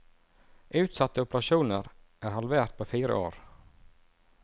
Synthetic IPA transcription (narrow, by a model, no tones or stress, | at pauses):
ʔʉːt̪sɑt̪əʊpəɾɑʃuːnəɾʔæːɾhɑlʋeːɾt̪̚pʰoːfiːɾə̰ʔo̰ːɾ